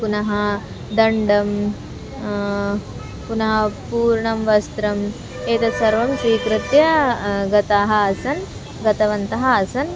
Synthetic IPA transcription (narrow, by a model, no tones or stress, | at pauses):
punɐɦɐ | d̪ɐɳɖɐm | punɐɦɐpuːɾɳɐmʋɐst̪ɾɐm | eːt̪ɐsɐɾʋɐmsʋiːkɾɪt̪jɐɡɐt̪aːɦɐːsɐn | ɡɐt̪ɐʋɐnt̪ɐɦɐːsɐn